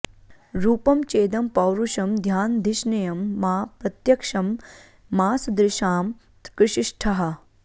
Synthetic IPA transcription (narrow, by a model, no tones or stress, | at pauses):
ɾuːpɐmt͡ʃeːd̪ɐmpɐwɾuʃɐmd̪ʱjaːnd̪ʱɪʃnɐjɐmːaːpɾɐt̪jɐkʂɐmː | aːsd̪ɾɪʃaːm | kɾɪʃiʂʈʰɐɦɐ